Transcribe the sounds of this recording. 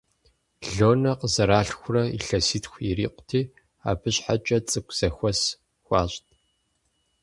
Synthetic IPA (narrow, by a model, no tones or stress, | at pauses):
ɮoːnɐqəzɐɾaːɬxʷʊrɐḭɬɐsiːtxʷiriːqʷʊ̥tʰiː | a̰ːbɨɕħat͡ʃʼɐt͡sʼɨkʷʼz̥ɐxʷɔs | xʷɑːɕʼtʰʼ